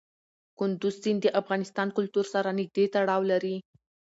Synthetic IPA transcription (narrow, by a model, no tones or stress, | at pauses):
kʊnd̪uzzind̪əʔafɣɑnɪst̪ɑnkʊlt̪uɾsaɾanɪɡ̚d̪et̪aɽɑwlaɾi